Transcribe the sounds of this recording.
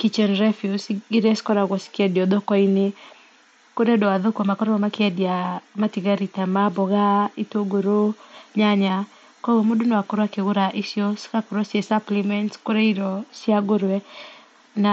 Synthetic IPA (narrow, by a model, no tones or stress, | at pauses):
kit͡ʃɛnɾɛfjusɡiɾɛskɔɾaɡɔskɪadiɔd̪ɔkɔinɪ | koɾɛdɔad̪okɔmakɔɾɔɔmakɪadiamatiɡaɾitamabɔɡaitoɡoɾoɲaɲa | kɔɡomudunoakʊɾwakɪɡʊɾaʔisjɔskakɔɾɔsesaplimɛntskoɾɛidɔsɪaɡoɾwɛ | na